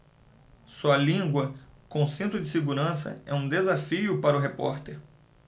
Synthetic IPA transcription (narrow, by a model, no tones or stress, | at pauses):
sɔɐlĩɡwɐkõsẽnt̪ɾʊd͡ʒɪsɪɡuɾɐ̃sɐ̰ɛũd̪ezafiʊpaɾʊɦepɔ̰ɾt̪eɾ